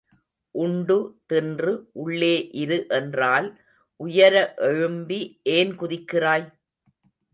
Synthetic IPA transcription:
ʔʊɳɖɯt̪ɪndrɯʔʊɭːeːʔɪɾɯʔɛndraːl | ʔʊjɐɾɐʔɛɻɯmbiʔeːnkʊðɪkːɪraːj

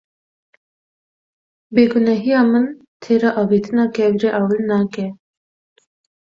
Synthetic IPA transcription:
beːɡunaɦiamən | t̪ʰeːɾaʔɐbit̪ʰnakɛɡɾeʔaːwəlnakɛː

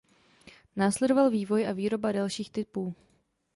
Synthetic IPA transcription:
naːslɛdovalviːvo̞jʔaviːɾo̞badalʃiːxt̪ɪpuː

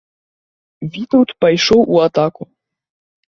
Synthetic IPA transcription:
vʲit̪uwt̪pajʂɔwʔuat̪aku

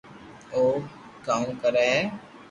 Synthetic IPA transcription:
oː | kaːũːkəɾeːɦɛː

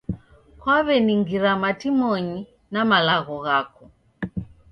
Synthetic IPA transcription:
kwaβɛniŋɡiɾamatimɔɲi | namalaɣɔɣakɔ

